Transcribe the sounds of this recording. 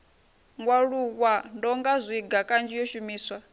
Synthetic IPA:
ŋɡwaɺuɣwandɔŋɡazʷiɡakʼand͡ʒijɔʃumiːswa

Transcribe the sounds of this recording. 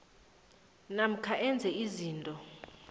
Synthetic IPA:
nam̩kʰaʔɛnd͡zʱɛiziːntʼɔ

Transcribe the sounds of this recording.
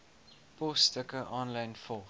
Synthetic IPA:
pɔstəkəʔɑːnlɐjnfɔlˠ

